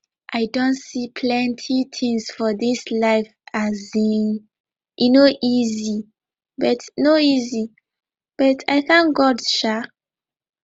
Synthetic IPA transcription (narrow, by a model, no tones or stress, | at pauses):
ʔaɪdõntsipʰlɛ̃ntʰitʰĩŋsfɔðislaɪfazĩn | ʔinoʔizi | bʌtnoizi | b̥ʌtʰa̰ɪkãnɡɔdʃa